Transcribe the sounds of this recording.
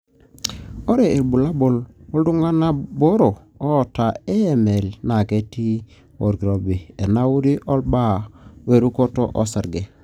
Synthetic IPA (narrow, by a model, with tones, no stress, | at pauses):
o˦ɾe˨e˨bu˨la˦bo˨lo˦ldu˦ŋɡa˦na˦bo˦ɾo˨oː˦˨ta˨e˦e˨me˨lna˨ke˦ti˦ | o˨ɾɡi˨ɾo˨be˨e˨na˦wu˦ɾi˦ʔɔ˦lba˦we˦˨ɾu˦ko˦to˦ʔɔ˦sa˨ɾɡe˨